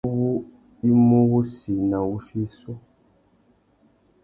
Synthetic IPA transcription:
wu˦ | i˦mo˦ɣu˦si˨na˨wu˦ʃi˦su˦

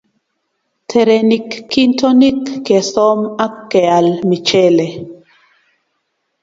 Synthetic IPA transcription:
tʰɛ˨ɾɛ˨ni˨kːi˦ntʰɔ˦ni˦kːɛ˨sɔ˦ma˦kːɛ˨a˨lmi˨t͡ʃɛ˦le˨

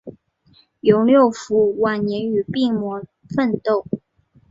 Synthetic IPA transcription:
jo˧˥ʊljo˥˩ʊfu˧˥wa˨˩nnjɛ˧˥ny˨˩pi˥˩ŋmwɔ˧˥ | fə˥˧nt̪o˥˩ʊ

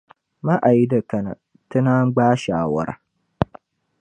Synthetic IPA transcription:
ma˦ʔa˨ji˦da˨kɐ˨na̰˨ | tɐ˦na˦ɡ͡baː˦ʃaː˨wɐ̰˦ɾa̰˦˨

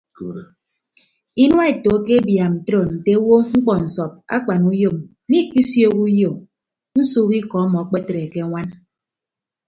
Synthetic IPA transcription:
i˦nwa˦e˨to˨˦ke˦bja˨mn̩˨tɾo˨n̩˨te˦wo˦ŋ͡m̩˦k͡pɔ˨n̩˨sɔ˨p̚a̰˦k͡pa˨nu˦jo˦m˦ | ni˦k͡pi˦sjo˦ku˦jo˨m | n̩˦suː˦ki˦kɔ˨˦mɔ˨a˨˦k͡pe˦tɾe˨ke˦ŋʷa˦n

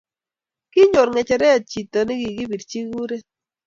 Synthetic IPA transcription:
kɪ˦ɲo˨ɾŋɛ˨t͡ʃɛ˨ɾɛ˦a˨t͡ʃi˨t̪o˨nɪ˦ɡi˨ɡi˦bi˨dt͡ʃi˦ɡu˦ɾe˦

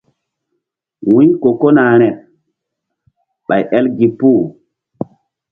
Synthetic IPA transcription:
wĩ˦ɲko˨ko˦naː˨ɾ̃ɛ˨ | ɓa˨jʔɛ˦lɡi˨pu˦˨

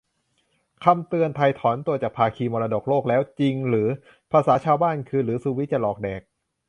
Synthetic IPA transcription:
kʰa˧mt̪ɯ˧ənt̪ʰa˧jt̪ʰɔː˩˦nt̪u˧ɐt͡ɕaː˨˩pʰaː˧kʰiː˧mɔː˧ɾaː˧do˨˩k̚loː˥˩k̚lɛː˦˥wt͡ɕi˧ŋɾɯː˩˦ | pʰaː˧saː˩˦˥t͡ɕʰaː˧wbaː˥˩nkʰɯː˧ɾɯː˩˦su˧wi˦˥t͡ɕa˧lɔː˨˩k̚dɛː˨˩k̚

